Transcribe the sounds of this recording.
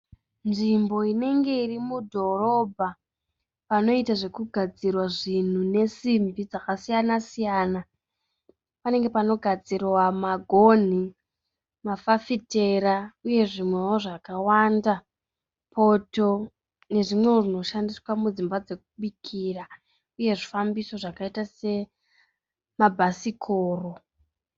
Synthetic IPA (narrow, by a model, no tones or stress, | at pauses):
nʐimbo̞ine̞ŋɡe̞irimudʱo̞ro̞bʱa | pano̞itaʐe̞kuɡʱad͡zirwaʐin̤une̞simbid͡zakasijanasijaːna | pane̞ŋɡe̞pano̞ɡʱad͡zirwamaɡʱo̞n̤i | mafafite̞ɾauje̞ʐimwe̞woʐakawanda | pʰo̞to̞ | ne̞ʐimwe̞oʐino̞ʃandiswamud͡zimbad͡ze̞k̚uɓikʰiːra | uje̞ʐifambiso̞ʐakaitase̞ | mabʱasikʰoːro̞